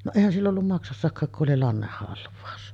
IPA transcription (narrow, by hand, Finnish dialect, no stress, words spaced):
no eˑihæn silː olːum mɑksɑsːɑkːɑːk kuʔ ʔoli lɑnːehːɑlʋˑɑus